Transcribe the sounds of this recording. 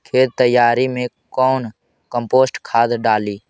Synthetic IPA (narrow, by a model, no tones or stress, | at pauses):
kʰeːt̪̚t̪əjːaːɾimẽ | kɔːn | kə̃mpoːsʈkʰaːd̪ɖaːliː